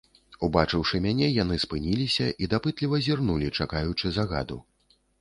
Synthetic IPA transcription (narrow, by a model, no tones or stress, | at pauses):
ubat͡ʂɨwʂɨmʲanʲɛjanɨspɨnʲilʲisʲɐʔid̪apɨt̪lʲivɐzʲirnulʲit͡ʂakajut͡ʂɨzaɣa̰d̪ṵ